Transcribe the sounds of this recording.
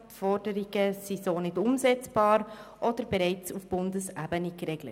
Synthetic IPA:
tfɔrd̥əɾiɡ̥əsizoːnɪdʊmzɛt͡sb̥ɑːɾʔɔd̥əɾbɛɾɛɪt͡sufb̥ʊndəsæbənikɾɛɡlə̰t

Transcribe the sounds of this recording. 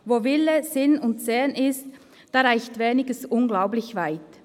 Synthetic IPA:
voːvɪlːəzɪnʊntsɛːnɪst | d̥aːʁaɪçtveːnɪɡəsʔʊnɡlaʊblɪçvaɪt

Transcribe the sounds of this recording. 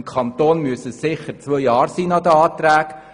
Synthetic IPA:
mkʰɑnt̪oːnmyəsəsɪχəɾt͡sʋœjɑːɾsiːnɑd̪əɑːt̪ɾæːk

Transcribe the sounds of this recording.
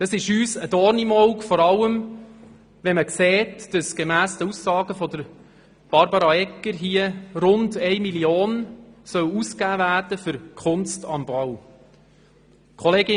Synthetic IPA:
d̪̥ɑsɪʃyːsədɔɾnimɔwkfɔɾɑlːəm | ʋɛməkseːtd̥əsɡ̥emæːsdəusːɑːɡ̥əfɔd̪əɾ | b̥ɑɾbɑɾɑɛkːəɾɦiəɾʊndɛɪmilijoːnsœwuskæːvæːɾd̥əfʏɾkʰʊnstɑmb̥ɑw | kʰɔleːɡɪ

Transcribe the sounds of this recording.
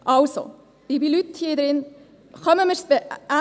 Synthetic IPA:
ʔɑlso̰ | ɪbilyt̪hiəd̪ɾɪn | χœməməɾsb̥eæ

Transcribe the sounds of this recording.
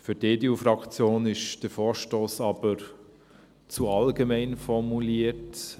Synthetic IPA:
fyɾdeːdeufɾɑkt͡sjoːnɪʃd̥əfɔːɾʃtoːsɑb̥əɾ | t͡suɑlɡemɛɪnfɔɾmuliət

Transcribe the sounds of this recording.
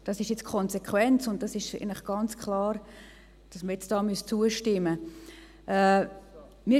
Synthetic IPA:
d̥ɑsɪʃjɛt͡skʰɔnsekʰwɛnt͡sʊnt̚d̥ɑsɪʃḛnlɪχɡ̥ɑnt͡skʰlɑːɾ | d̥ɑsməɾjɛt͡sd̥ɑːmyəst͡suəʃtɪmːə | ʔɛ | mi

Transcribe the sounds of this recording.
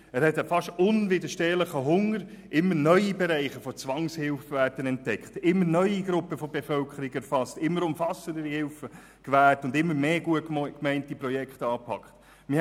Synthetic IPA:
æːɾhɛtəfɑʃtʊnvɪdəʃteːləχəɦʊŋəɾ | ʔɪmːənœʏibɛɾæɪχəfɔt͡sʋɑŋshɪlfəvæːɾd̥ənɛnt̚d̥ɛkχtɪmːənœʏiɡɾʊpːəfobefœlkχəɾiɡɛɾfɑstɪmːəɾʊmfɑsəndəɾihɪlfə | kʋæːtʊndɪmːəɾmeːɡuətkmɛɪntipɾɔjɛkχtɑːpʰɑ̰kχt | mɪ

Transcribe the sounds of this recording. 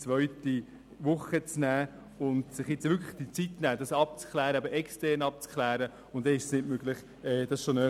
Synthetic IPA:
t͡sʋœɥti | ʋʊχət͡snæː | ʊndsɪχjɛt͡sʋʏɾkʰlə̥χd̥it͡sitnæːd̥ɑsɑp̚t͡skʰlæːɾəɑbəʔɛkstɛɾnɑp̚t͡skʰlæːɾə | ʊntd̥ɛɪʃsnɪtmøɡ̥lɪχ | ɛːd̥ɑsʃonø

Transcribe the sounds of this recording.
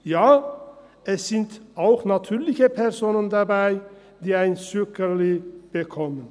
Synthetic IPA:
jaː | ʔɛsːɪnt̪aʊxnat̪ʰyːlɪçəpʰɛʁsoːnənd̪abæɪ | d̪iːaɪnsykəliːb̥əkʰɔmən

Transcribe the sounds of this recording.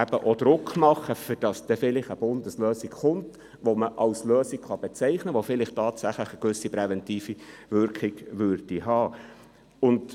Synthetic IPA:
æb̥əʔod̪̥ɾʊkmɑχəfʏd̥ɑsd̥ɛfɪlɪχəb̥ʊndəsløːsikχʊnt | ʋoməʔɑʊsløːsɪkχɑb̥ɛt͡sɛɪχnəʋofɪlɪχtɑːtsæχləχəkʋʏsipɾɛvɛntiːfivʏɾkɪɡʋʏrd̥iɦɑː | ʊnd

